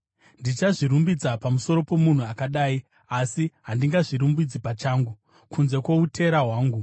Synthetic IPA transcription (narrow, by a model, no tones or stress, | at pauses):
ndit͡ʃaʐiɾumbid͡zapamuso̞ɾo̞po̞mun̤uakaɗaːi | asiɦandiŋɡaʐiɾumbid͡zipat͡ʃaːŋɡu | kʰunze̞kwe̞utʰe̞ɾaɦwaːŋɡu